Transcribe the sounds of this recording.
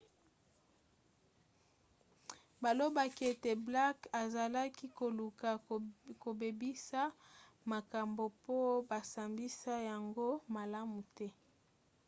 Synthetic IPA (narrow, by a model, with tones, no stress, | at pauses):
ba˨lo˦ba˨ki˦e˨te˨bla˦ka˨za˨la˦ki˦ko˨lu˨ka˨ko˨be˨bi˦sa˦ | ma˨ka˨mbo˨po˦ba˨sa˨mbi˦sa˦ja˨ŋɡo˦ma˨la˦mu˨tɛ˦